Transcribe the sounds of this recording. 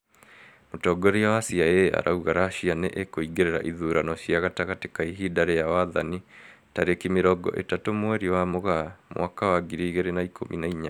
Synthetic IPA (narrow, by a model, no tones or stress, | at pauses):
motɔɡɔɾiawasiaea̰ɾa̰uɣaɾaɕianeʔekoiɡeɾeɾa̰ʔiðuɾanɔɕiaɣataɣatekaiɦidaɾejawaðani | taɾekimeɾɔɡɔ̰ʔḛtatomwɛɾiwamoɣamwʔakawaɡiɾiɣeɾenaikʰo̰mʔḭnaiɲa